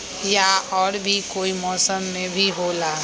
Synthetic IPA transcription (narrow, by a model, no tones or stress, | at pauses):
jaɔːɾbʱikoːimɔːsəmːẽbʱiɦola